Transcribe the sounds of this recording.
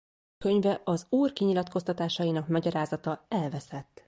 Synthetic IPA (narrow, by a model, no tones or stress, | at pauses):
kø̞ɲvɛʔɒzuːrkiɲilɒt̪ko̞st̪ɒt̪aːʃɒjinɒkmɒɟɒɾaːzɒt̪ɒɛlvɛsɛt̪ː